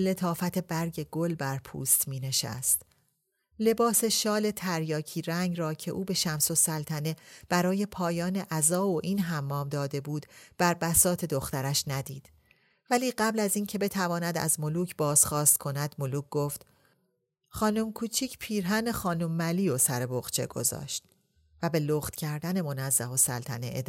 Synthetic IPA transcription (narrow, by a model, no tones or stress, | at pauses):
le̞t̪ʰɒːfæt̪ʰe̞bæɾɟe̞ɡolbæɾpʰṵːst̪miːne̞ʃæ̰st̪ | le̞bɒːse̞ʃɒːle̞t̪ʰæɾjɒːcʰiːɾæŋɡɾɒːcʰe̞̰ʔuːbe̞ʃæmso̞sælt̪ʰæne̞b̥æɾɒːje̞pʰɒːjɒːneʔæzɒːoʔiːnɦæmːɒːmd̪ɒːd̪e̞buːd̪̥b̥æɾbæsɒːt̪ʰe̞d̪o̞xt̪æɾæʃnæd̪iːd̪̥ | væliːɢæblæziːncʰe̞be̞t̪ʰævɒːnæd̪æ̰zmo̞luːcʰbɒːz̥χɒːst̪kʰo̞næd̪̥moluːc̚ʰɡ̥oːft̪ | χɒːnomkʰuːt͡ʃʰiːcʰpʰiːɾɦæne̞xɒːnomːæliːosæɾe̞boɣ̥t͡ʃʰe̞̰ɡ̥o̞̰zɒ̰ːʃt̪ | væbe̞loːχt̪cʰæɾd̪æne̞mo̞næzːæho̞sæ̰lt̪ʰæ̰nḛʔḛd̪